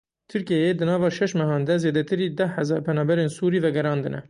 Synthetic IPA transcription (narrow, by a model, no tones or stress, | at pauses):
t̪ʰɨɾkijɛjed̪ɨnɑːvɑːʃɛʃmɛɦɑːnd̪ɛzeːd̪ɛt̪ʰɨɾiːd̪ɛhɛzɑːɾpʰɛnɑːbɛɾeːnsuːɾiːvɛɡɛɾɑːnd̪ɨnɛ̰